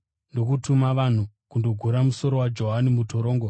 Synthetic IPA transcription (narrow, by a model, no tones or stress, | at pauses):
ndo̞kutumaʋan̤ukundo̞ɡʱuɾamuso̞ɾo̞wad͡ʒo̞ɦanimutoɾoːŋɡo